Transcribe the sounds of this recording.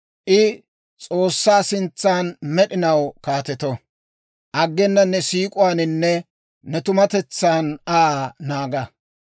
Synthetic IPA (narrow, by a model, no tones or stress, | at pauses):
ʔɪ | t͡sʼoːsːaːsɪnt͡sːaːnmɛɗɪnɐwkaːt̪ɛt̪ɔ | ʔɐɡːɛnːɐnːɛsiːkʼʊwaːnɪnːɛ | nɛt̪ʊmɐt̪ɛt͡sːaːnanaːɡɐ